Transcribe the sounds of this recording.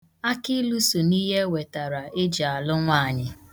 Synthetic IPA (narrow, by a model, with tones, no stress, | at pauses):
a˦kɪ˦lu˦su˨niː˦ɦe˦we˨ta˨ɾa˨ɪ˦d͡ʒa˨lʊ˦ŋʷa˦˨ɲɪ˨